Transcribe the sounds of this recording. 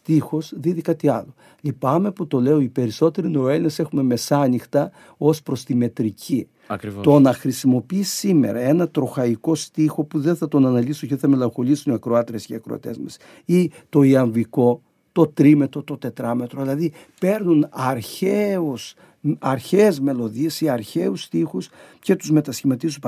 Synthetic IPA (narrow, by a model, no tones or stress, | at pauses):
st̪ixo̞sðiðikɐt̪iɐlo̞ | lipɐme̞put̪o̞le̞o̞ipe̞ɾiso̞t̪e̞ɾinoelinese̞xume̞me̞sɐnixt̪ɐ | o̞spɾo̞st̪ime̞t̪ɾicʰi | ɐkɾt̪o̞nɐxɾisimo̞piisime̞̰ɾɐe̞nɐt̪ɾo̞xɐiko̞st̪ixo̞puðenθɐt̪o̞nɐnɐlisuceθɐme̞lɐŋxo̞lisuniɐkɾo̞ɐt̪ɾesceɐkɾoɐ̰t̪e̞zmɐs | it̪o̞iɐɱviko̞ | t̪o̞t̪ɾime̞t̪o̞t̪o̞t̪e̞t̪ɾɐme̞t̪ɾoðilɐði | pe̞ɾnunɐɾçeus | ɐɾçezme̞lo̞ðiesiɐɾçe̞ust̪ixusce̞t̪uzme̞t̪ɐsçimɐt̪isup